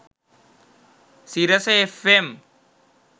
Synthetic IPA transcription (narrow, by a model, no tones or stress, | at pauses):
siɾɐseefem